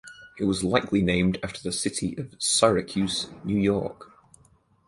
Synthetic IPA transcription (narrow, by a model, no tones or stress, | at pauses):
ɪʔ̚wɒzlˠaɪkʰlinẽɪ̃mdaftʰəðəsɪtʰiʔəv̥saɹəkʰjʉznjʉːjɔˑɹk